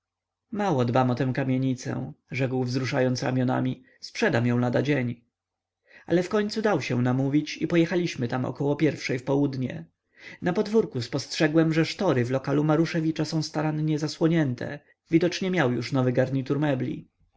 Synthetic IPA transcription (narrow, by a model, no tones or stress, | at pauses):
mawɔd̪bamɔt̪ɛ̃w̃kamʲjeɲit̪sɛ̰̃ʐɛkwvzɾuʂajɔnt̪sɾa̰mʲjɔna̰mʲi | spʂɛd̪amjɔ̃w̃lad̪ad͡ʑeɲ | ʔa̰lɛfkɔɲt̪sud̪awɕɛw̃namuvʲit͡ɕipɔjɛxalʲiɕmɘt̪amɔ̰kɔwɔpʲjɛɾfʂɛjfpɔwud̪ɲɛ̰ | napɔd̪vuɾkuspɔstʂɛɡwɛmʐɛʂt̪ɔɾɘvlɔkalumaɾuʂɛvʲit͡ʂasɔ̃w̃st̪aɾanɲɛzaswɔɲɛnt̪ʰɛ̰ | vʲid̪ɔt͡ʂɲɛmʲjawjuʂnɔvɘɡaɾɲit̪uɾmɛblʲḭ